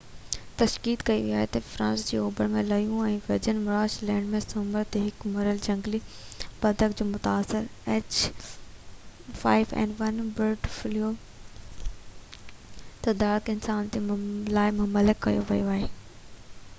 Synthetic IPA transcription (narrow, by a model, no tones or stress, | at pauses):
t̪ɐʃkiːt̪kɐiʋiaːɦet̪ɐfɾãːnsd͡ʑiːoːbəɾmẽlɐjũɛ̃ːʋɪɾd͡ʑənmʊɾaːʃlɛ̃ːɳɖmẽsʊməɾt̪eɦɪkmɐɾəld͡ʑɐ̃ŋɡli | bɐd̪ʱəkd͡ʑoːmʊt̪aːsɪɾɛːt͡ɕ | faːɪʋɛ̰ːɳɖʋɐnbɪɾʈflijo | t̪ɐd̪aːɾɪkɪnsaːnt̪elaːɪmʊmɐlɪkːɐ̰joʋɐjoaːɦeː